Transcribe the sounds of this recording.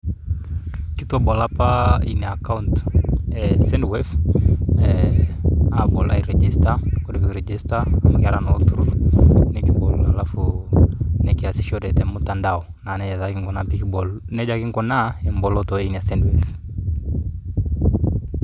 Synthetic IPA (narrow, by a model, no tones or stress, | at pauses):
kitɔbɔlapaḭnɛakauntɛsɛndwɛf | ɛ | abɔla̰iɾɛd͡ʒistakɔdɛpikɾɛd͡ʒistaamakaɾanɔt̪uɾunɛkibɔlalafu | nɛkiasi̥ʃɔdɛtɛmutandaɔ | nanɛd͡ʒatakiŋkɔnapikbɔlnɛd͡ʒakiŋkɔnaɛmbɔlɔtɔinɛasɛndwɛf